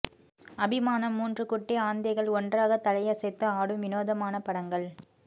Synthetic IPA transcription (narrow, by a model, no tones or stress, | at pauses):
ɐbɪmaːnɐmːuːndrɯkʊʈːeaːnd̪ɐɪɣɐɭɔndraːɣɐt̪ɐlɐjɐsɛt̪ːɯaːɽɯmʋɪnoːðɐmaːnɐpɐɽɐŋɡɐɭ